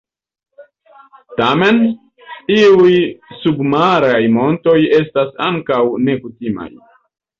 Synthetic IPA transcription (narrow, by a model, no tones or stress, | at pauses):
tame̞n | iujsubmaɾajmo̞nto̞je̞stasaŋkawne̞kutima̰j